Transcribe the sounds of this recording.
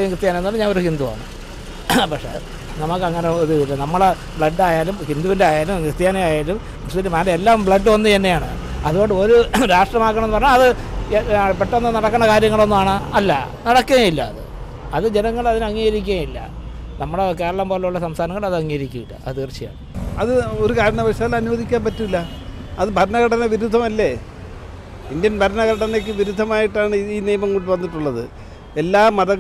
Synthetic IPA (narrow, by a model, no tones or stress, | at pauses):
jɐŋkrt̪ːjaːnɐmenːaːlːmɲaːnoɾuhind̪uʋa̰ːɳɨ̰ | pɐkʂḛ | nɐmɐkːɨɐŋːɐneðuʋilːunɐmːɐɭe | bɭɐɖːaːjaːlumhind̪uʋindeaːjaːlumkrt̪jaːnejaːjaːlum | ɐsindemɐleelːaːmbɭɐɖːɨʋɐnːuɐnːe̞jaːɳɨ̰ | ɐðuɣo̞ɳɖɨo̞ɾuɾaːʂʈrɐmaːkːɐɳɐmenɨpɐrɐɲːaɐðɨ | pːeʈːonːɨnɐɽɐkːɐɳːɐkaːɾjɐŋːɐɭo̞nːumaːɳɨɐlːɐ̰nɐɽɐkːuɣajilːɐːðɨ̰ | ɐðɨd͡ʑe̞nɐŋːɐɭɐðinɨɐŋːiːɐɾikʲːjilːɐ̰ | nɐmːɐɽeke̞ːɾɐɭɐmpoːlːɐuɭːɐsɐmst̪aːnɐŋːɐɭɐðɨɐŋːiɾikʲːuʋilːɐ̰ɐ̰ðɨkrt͡ɕːija̰ːɳɨɐðɨoɾukaːɾɐɳɐʋɐʂaːlɐnuʋɐðʱikʲːaːmpɐtːuilːɐ | ɐðɨbʱɐɾɐnɐɣɐɽɐnɐʋiɾud̪ʱːɐmɐlːe | indijɐnbʱɐɾɐnɐɣɐʈɐnek̬ːɨʋiɾud̪ʱːɐmaːjiʈːaːɳɨiːnijɐmɐŋkuɽʈːɨʋɐnːiʈːuɭːɐðɨ | elːaːmɐðɐ